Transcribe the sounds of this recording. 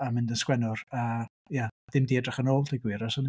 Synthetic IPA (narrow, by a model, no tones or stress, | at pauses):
amɪndənskwɛnʊrəː | jaad̥ɪmdiːɛdrɛχənoːlˠdʰajɡwɪɾasən